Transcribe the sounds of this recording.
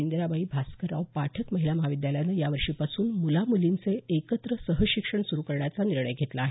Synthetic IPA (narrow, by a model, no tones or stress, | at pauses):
ind̪ɾabaiːbʱaskəɾaʋpaʈʰəkməɦilaməɦaʋid̪jaljanəjaʋəɾʂiːpasuːnmulamulint͡seekət̪ɾəsəɦəɕikʂəɳsuɾukəɾɳjat͡saniɾɳəjɡʱet̪laːɦe